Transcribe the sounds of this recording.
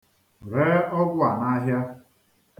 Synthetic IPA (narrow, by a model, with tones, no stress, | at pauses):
ɾeː˦ɔ˦ɡʊ˦a˨na˦ɦja˦